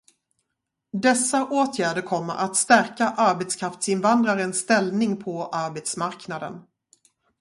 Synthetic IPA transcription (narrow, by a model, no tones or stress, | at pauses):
d̪ɛsːaʔoːt̪ʰjæːɖəɾkʰɔmːə̰ɾʔat̪st̪æɾkaʔaɾbɛt̪skʰɾaft̪sɪnvand̪ɾaɾənsːt̪ɛlnɪŋpʰɔʔaɾbɛt̪smaɾknad̪ə̰n